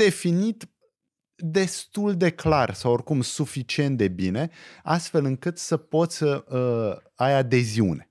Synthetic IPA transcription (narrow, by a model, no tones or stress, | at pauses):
d̪e̞finit̪ | d̪e̞st̪uld̪e̞klarsaworkumsufit͡ʃie̞nt̪d̪e̞bine̞ast̪fe̞lɨŋkɨt̪səpo̞t̪sʲəə | ajad̪e̞ziṵne̞